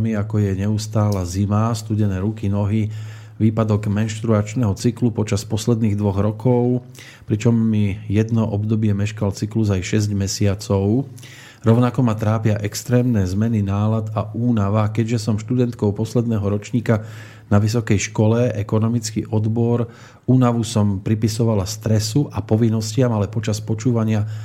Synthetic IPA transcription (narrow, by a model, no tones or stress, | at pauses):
miakɔjɛɲɛust̪aːlɛzimast̪uɟɛnɛːɾukinɔɦi | ʋiːpad̪ɔɡmɛnʃt̪ɾuat͡ʃnɛɦɔt͡siklupɔt͡ʃaspɔslɛd̪niːɣd̪ʋɔɣɾɔkʰɔʊ | pɾit͡ʃɔmːijɛd̪nɔʔɔbd̪ɔbɪɛmɛʃkalt͡sikluzajʃɛzɟmɛsɪat͡sɔʊ | ɾɔʊnakɔmat̪ɾaːpɪaʔɛkst̪ɾɛːmnɛzmɛninaːlad̪aʔuːnaʋakɛɟʒɛsɔmʃt̪ud̪ɛnt̪kɔʊpɔslɛd̪nɛɦɔɾɔt͡ʃɲiːka | naʋis̬ɔkɛjʃkɔlɛɛkɔnɔmit͡skḭʔɔd̪bɔɾ | uːnaʋusɔmpɾipisɔʋalast̪ɾɛsuʔapɔʋinːɔscɪamalɛpɔt͡ʃaspɔt͡ʃuːʋaɲɪa